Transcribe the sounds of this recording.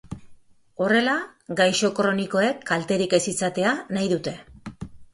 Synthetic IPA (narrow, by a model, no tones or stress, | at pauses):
o̞re̞laɡajʃo̞kɾo̞niko̞e̞kʰːalt̪e̞ɾike̞sit͡sat̪e̞anajðut̪e̞